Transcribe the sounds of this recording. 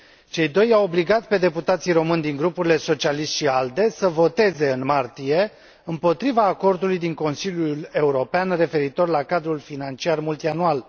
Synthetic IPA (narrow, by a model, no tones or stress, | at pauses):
t͡ʃe̞jd̪o̞jawobliɡat̪pe̞d̪e̞put̪at̪sijɾo̞mɨnd̪iŋɡɾupuɾile̞so̞t͡ʃialiʃt̪ʃiald̪e̞səvo̞t̪e̞ze̞ɨnmart̪ije̞ | ɨmpo̞t̪ɾivaːko̞rd̪ulujd̪iŋko̞nsiljule̞uɾo̞peanre̞fe̞ɾit̪o̞rlakad̪ɾulfinant͡ʃiarmult̪ianual